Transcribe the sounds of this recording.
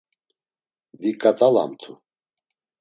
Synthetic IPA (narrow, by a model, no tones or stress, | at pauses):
vikʼat̪ʼala̰mt̪ʰu